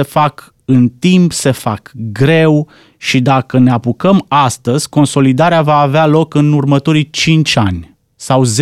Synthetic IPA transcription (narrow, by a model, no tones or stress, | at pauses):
efak | ɨnt̪impse̞fa̰kɡɾe̞w | ʃid̪akəne̞apukəmast̪əz̥ʲko̞nso̞lid̪aɾeavaːvealo̞kɨnurmət̪o̞ɾijt͡ʃint͡ʃʲanʲ | sawz